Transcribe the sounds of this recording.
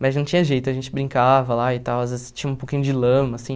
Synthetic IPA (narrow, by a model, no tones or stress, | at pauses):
mɐznɐ̃t͡ʃĩɲɐʒejt̪ʊɐʒẽnt͡ʃɪbɾĩŋkavɐlaɪt̪awazvezɪ̥st͡ʃĩɲ̃ɐ̃ũpokĩɲʊd͡ʒɪlɐ̃mɐsĩ